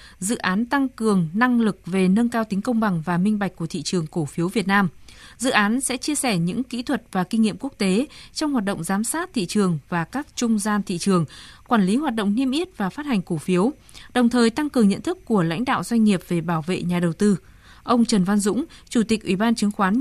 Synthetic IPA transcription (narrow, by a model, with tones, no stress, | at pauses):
zɨ̰˧˨ʔaː˨˦nt̪a˧ŋkɨ˨˩əŋna˧ŋlɨ˨˩k̚ve˨˩nə˧nkaː˧wt̪ï˨˦ŋ̟kə˧wŋ͡mɓa˨˩ŋvaː˨˩mï˧ŋ̟ɓa˨˩jk̟̚kːu˧˩ət̪ʰḭ˧˨t͡ɕɨ˨˩əŋko˧˩fi˨˦əwvi˨˩ət̚naː˧mzɨ̰˧˨ʔaː˨˦nsɛ̰˧˥t͡ɕi˧əsɛ˧˩ɲɨ̰˧˥ŋkḭ˧˥t̪ʰwə˨˩t̚vaː˨˩kï˧ŋŋḭ˧˨əmku˦˥ək̚t̪e˨˦t͡ɕɔ˧wŋ͡mhaː˨˩t̚ɗə̰˧˨ŋ͡mzaː˨˦msaː˦˥t̚t̪ʰḭ˧˨t͡ɕɨ˨˩əŋvaː˨˩kaː˦˥k̚t͡ɕʊ˧ŋ͡mzaː˧nt̪ʰḭ˧˨t͡ɕɨ˨˩əŋkwaː˧˩nli˨˦ɦwaː˨˩t̚ɗo̰˧˨wŋ͡mni˧əmʔi˦˥t̚vaː˨˩faː˦˥t̚ha˨˩jŋ̟ko˧˩fi˨˦əw | ɗə˨˩wŋ͡mt̪ʰəː˨˩jt̪a˧ŋkɨ˨˩əŋɲə̰˧˨nt̪ʰɨ˦˥kːu˧˩əla̰˧˥jŋ̟ɗa̰ː˧˨wzwa˧jŋ̟ŋi˨˩əp̚ve˨˩ɓaː˧˩wvḛ˧˨ɲaː˨˩ɗə˨˩wt̪ɨ˧ | ʔə˧wŋ͡mt͡ɕə˨˩nva˧nzʊ̰˧˥ŋ͡mt͡ɕu˧˩t̪i˨˩k̚ʔwi˧˩ɓaː˧nt͡ɕɨ˨˦ŋxwaː˨˦n